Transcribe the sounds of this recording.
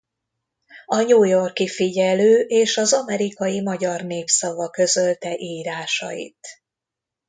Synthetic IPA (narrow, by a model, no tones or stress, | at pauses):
ɒɲuːjo̞rkifiɟɛløːʔeːʃɒzɒmɛɾikɒjimɒɟɒrneːpsɒvɒkø̞zølt̪ɛʔiːɾaːʃɒ̰jḭt̪